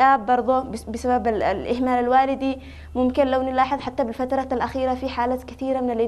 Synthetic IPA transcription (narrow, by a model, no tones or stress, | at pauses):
ʔaːbːɑɾˤd̪ˤobɪsababa̰lʔɪhmaːlalwaːlɪd̪i | mʊmkɪnlawnɪlɑːħɨðˤħat̪ːabɪlfat̪ɾˤɑalʔaxiːɾafiħaːlaːt̪kaθiːɾamɪnalʔɪ